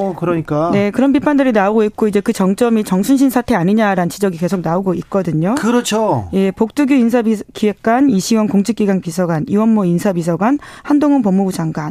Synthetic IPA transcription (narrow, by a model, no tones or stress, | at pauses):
kɯɾʌɲik͈anekɯɾʌnpipʰandɯɾinaoɡoit̚k͈oid͡ʑe̞kɯt͡ɕʌŋt͡ɕ͈ʌmit͡ɕʌŋsʰunɕ̬ʰinsʰatʰe̞aɲiɲaɾaɯnt͡ɕid͡ʑʌɡike̞sʰok̚naoɡoit̚k͈ʌdɯɲokɯɾʌt͡ɕʰoje̞pok̚t͈uɡjuinsʰaikiwek̚k͈aniɕʰiwʌnkoŋt͡ɕʰik͈iɡaŋpisʰʌɡaniwʌnmoinsʰapis̬ʰʌɡwan | handoŋɯnpʌmːubud͡ʑaŋɡwan